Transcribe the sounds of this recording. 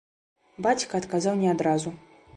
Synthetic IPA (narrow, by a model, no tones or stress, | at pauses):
bat͡sʲkɐːt̪kazawnʲɛad̪ɾazu